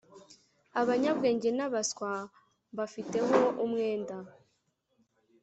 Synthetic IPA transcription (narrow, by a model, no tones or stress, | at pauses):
aβaɲabɡe̞ːɲɟenaβaskwa | βafite̞ɦo̞ʔumŋeːnda